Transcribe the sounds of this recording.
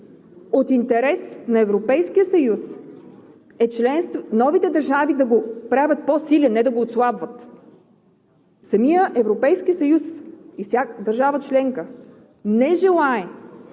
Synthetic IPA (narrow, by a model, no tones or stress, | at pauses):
ot̪int̪ɛɾɛsnɐɛvɾopɛjskijəsɐjus | ɛt͡ʃlɛnst̪vnɔvit̪ɛd̪ɐɾʒavid̪ɐɡopɾavʲət̪̚posilɛnːɛd̪ɐɡoːt̪slˠabvət̪ | sɐmijəʔɛvɾopɛjskiəsɐjusifsʲjad̪ɐɾʒavət͡ʃlɛŋkə | nɛʒɛlˠaɛ